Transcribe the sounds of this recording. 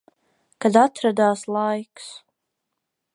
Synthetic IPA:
kad̪at̪ʰɾad̪aːslˠajks

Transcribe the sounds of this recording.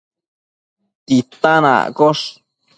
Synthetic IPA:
t̪it̪ana̰koʂ

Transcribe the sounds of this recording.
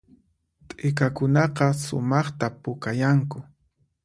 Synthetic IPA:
t̪ʼɪkakʊnɑqɑsʊ̰mɑχt̪apʊkajaŋkʊ

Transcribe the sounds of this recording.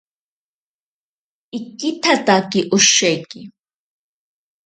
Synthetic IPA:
ikːit̪ʰat̪ʼakiʔʊʃɛkʼi

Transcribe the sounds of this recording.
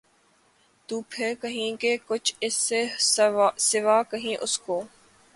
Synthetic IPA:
t̪uːpʰeːkəɦĩːkeːkʊt͡ʃʰɪseː | sɪʋaːkəɦĩːʔʊskoː

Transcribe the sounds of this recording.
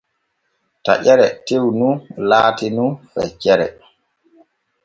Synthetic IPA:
ta̰ʔɛɾɛtewnulaːtinufɛ̰t͡ʃɛɾɛ̰

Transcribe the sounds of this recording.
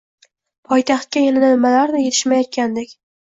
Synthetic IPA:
pʰɒjt̪ʰɑχt̪̚kʲajanananɪmalaɾnɪje̞t̪ʰɪ̥ʃmajɒt̪̚kʲand̪ekʲ

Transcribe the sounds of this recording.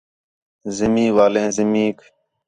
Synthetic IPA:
zɪmĩːʋaːlẽːzɪmĩːk

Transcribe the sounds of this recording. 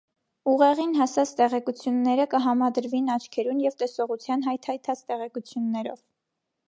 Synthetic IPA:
uʁɛʁinɦɑsɑt͡sʰt̪ɛʁɛkut͡sʰjunːɛɾəkəɦɑmɑd̪əɾvinɑt͡ʃʰkʰɛɾunjɛvt̪ɛsɔʁut͡sʰjɑnɦɑjt̪ʰɑjt̪ʰɑt͡st̪ɛʁɛkut͡sʰjunːɛɾɔ̰v

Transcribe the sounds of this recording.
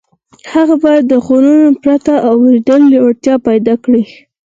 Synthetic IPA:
haɣabɑjad̪ːəɣonunopɾat̪aʔawɾid̪əlaɽt̪jɑpajd̪ɑkɽi

